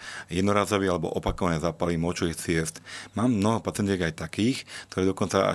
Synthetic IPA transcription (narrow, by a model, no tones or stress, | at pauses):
jɛd̪nɔɾaːzɔʋialɛbɔ̰ʔɔpakɔʋanɛːzaːpalimɔt͡ʃɔʋiːxt͡sɪɛst̪maːmːnɔɦɔpat͡sɛnd͡ʑ̪ɛɡajt̪akiːxkt̪ɔɾɛːd̪ɔkɔnt͡saa̰